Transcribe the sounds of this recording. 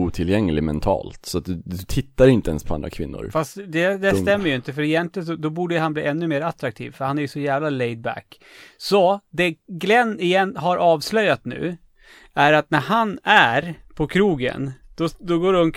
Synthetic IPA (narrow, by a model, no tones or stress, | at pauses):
uːt̪ʰɪljɛŋːlɪmɛ̰nt̪ʰɑ̰ːlt̪sɔat̪̚d̪ɵɵt̪ʰɪt̪ːaɾɪnt̪əɛ̰nspʰɔand̪ɾa̰kʰvɪnːʊ̰ɾfast̪d̪ɛd̪ɛst̪ɛmːəɾjʏɪnt̪əfœɾɪjɛnt̪lɪənɔd̪ɔbuːɖəjɦanbliːʔɛnːɵmeːɾat̪ɾak̚t̪ʰḭːvfœɾhanæɾjɵsɔjæːvlalɛjd̪̚bæ̰kː | sɔd̪ɛɡlɛnːɪjɛnɦaɾʔɑːvslœjːat̪nʉ̟̰ː | æɾat̪næɾɦanæɾpʰɔkʰɾuːɡə̰nd̪̥ɔd̪ɔɡoːɾhɵn